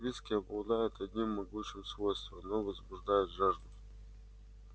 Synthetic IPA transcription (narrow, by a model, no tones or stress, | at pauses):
vʲiskʲɪɐblˠd̪ajɪt̪ʰɐd̪ʲnʲimːɐɡut͡ɕɪmsvojst̪vɐmnovɐzbʊʐd̪ajʊt̪ʐaʐd̪əf